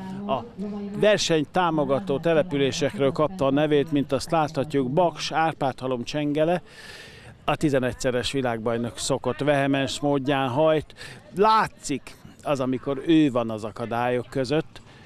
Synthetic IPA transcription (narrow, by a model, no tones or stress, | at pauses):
ɒ | vɛrʃɛɲt̪aːmo̞ɡɒt̪oːt̪ɛlɛpyleːʃɛkrøːlkɒp̚t̪ɒːnɛveːt̪mint̪ɒst̪laːt̪hɒcːuɡbɒkʃaːrpaːt̪ɒlo̞mt͡ʃɛŋɡɛlɛ | ɒt̪izɛnɛcsɛɾɛʃʋilaːɡ̚bɒjno̞kso̞ko̞t̪ʋɛɦɛmɛnʃmoːɟːaːnɦɒjt̪laːt̪sikɒzɒmiko̞ɾøːvɒnɒzɒkɒd̪aːjo̞kːøzøt̪ː